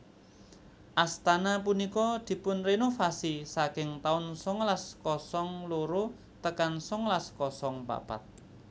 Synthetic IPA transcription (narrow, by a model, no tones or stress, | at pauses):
ʔast̪anap̬unikɔd̪̥i̤pʊnrenofasisakɪŋt̪aʊnsɔŋlaskɔsɔŋloɾo | t̪əkansɔŋlaskɔsɔŋpa̰pa̰t̪̚